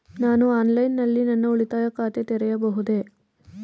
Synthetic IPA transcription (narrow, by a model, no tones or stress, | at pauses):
naːnuaːnlɐjnːɐlːinɐnːɐuɭit̪aːjɐkaːt̪et̪ɛɾɛjɐbɐɦud̪e